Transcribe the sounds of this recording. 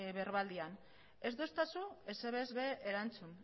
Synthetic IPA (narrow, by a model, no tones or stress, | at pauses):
βe̞ɾβald̪ian | e̞zd̪ost̪asue̞seβeːzβe̞eɾant͡sun